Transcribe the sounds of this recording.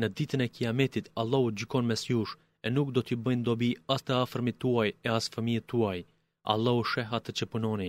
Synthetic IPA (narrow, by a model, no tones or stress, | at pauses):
nəd̪it̪ənɛkiamɛt̪it̪alˠːɔhud͡ʑykɔnmɛsjuʃ | ɛnuk̚d̪ɔt̪ibəjnd̪ɔbiast̪əafəɾmit̪uajɛasfəmijət̪ːuaj | a̰lˠːɔuʃɛɦat̪ət͡ʃəpunɔni